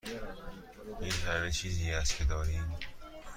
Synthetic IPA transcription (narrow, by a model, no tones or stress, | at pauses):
jehæɾmet͡ʃʰiːziːæst̪cʰed̪ɒːɾiːm